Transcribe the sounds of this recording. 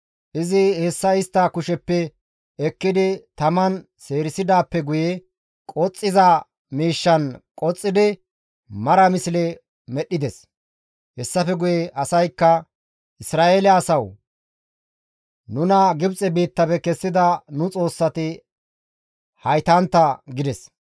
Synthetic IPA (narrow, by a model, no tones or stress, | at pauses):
ʔɪzɪhɛsːɐɪst̪ːɐkʊʃɛpːɛ | ɛkːɪd̪ɪt̪ɐmɐn | se̞ːɾɪsɪd̪aːpːɛɡʊjɛ | kʼɔt͡sʼːɪzɐ | miːʃːɐnkʼɔt͡sʼːɪd̪ɪ | mɐɾɐmɪslɛ | mɛɗɪd̪ɛs | hɛsːɐfɛɡʊjɛʔɐsɐjkːɐ | ʔɪsɾaːʔeːlɪɛːsɐw | nʊnɐɡɪbt͡sʼɛbiːt̪ːɐpɛkɛsːɪd̪ɐnʊt͡sʼo̞ːsːɐt̪ɪ | hɐjt̪ɐnt̪ːɐɡɪd̪ɛs